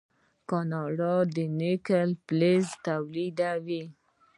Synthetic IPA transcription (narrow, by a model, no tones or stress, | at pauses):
kɑnɑɽɑd̪ənekəlplezt̪awlid̪awi